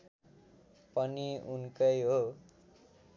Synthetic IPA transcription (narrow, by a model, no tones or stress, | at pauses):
pʌniunkʌjɦo